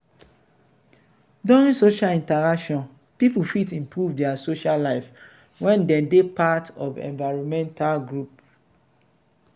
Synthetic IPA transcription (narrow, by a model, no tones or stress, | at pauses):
dɔ̃ĩnsoʃalĩntaɹakʃɔ̃n | pipufitĩmpɹuvdɛasoʃalaɪf | wɛ̃ndɛ̃depatɔvɛ̰̃nvaɪɹɔ̃mɛ̃ntalɡɹup̚